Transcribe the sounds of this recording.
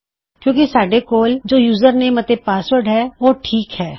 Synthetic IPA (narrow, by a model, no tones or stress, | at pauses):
kjõːkisaːɖekoːld͡ʒoːjuːzəɾnemɐt̪epaːswəɾɖɦɛːʋoːʈʰiːkɦɛː